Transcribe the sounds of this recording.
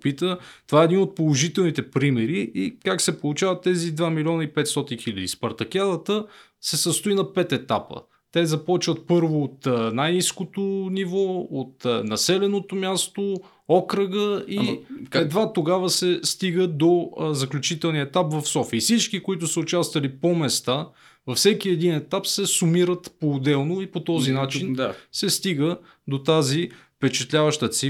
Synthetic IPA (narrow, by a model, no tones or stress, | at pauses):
pit̪ət̪ovaɛd̪inot̪̚polˠoʒit̪ɛlˠnit̪ɛpɾimɛɾiʔikaksɛpolˠʊt͡ʃavɐt̪ːɛzid̪vamilʲiɔnəipɛt̪st̪ɔt̪inxilʲəd̪ḭspɐɾt̪ɐkʲjad̪ət̪ə | sɛsəst̪ʊinɐpɛt̪ɛt̪apə̰ | t̪ɛzɐpɔt͡ʃvət̪̚pɤɾvoːt̪najniskot̪ʊnivɔot̪nɐsɛlɛnot̪omʲjast̪o | ɔkɾəɡəiɛd̪vat̪oɡavəsɛst̪iɡəd̪ozɐklʲut͡ʃit̪ɛlˠniəɛt̪apvɐfsɔfiːfsit͡ʃkikoit̪ʊsəʊt͡ʃast̪vɐlipomɛst̪a | vɐfsɛk̟iɛd̪inɛt̪apsɛsʊmiɾət̪poːd̪ɛlˠnoipot̪ɔzinat͡ʃinsɛst̪iɡə | d̪ot̪azifpɛt͡ʃɛt̪lʲavəʃt̪ət̪si